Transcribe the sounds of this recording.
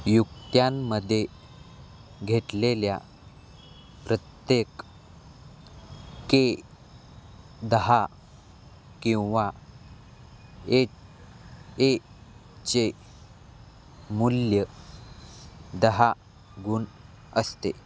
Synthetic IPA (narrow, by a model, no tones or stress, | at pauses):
jukt̪jamːəd̪ʱːje | ɡʱeʈlelja̰ | pɾət̪jek | ke | d̪əɦa | kĩw̃ʋa | e | t͡ɕe | muljə | d̪əɦa | ɡʱuːn | əst̪e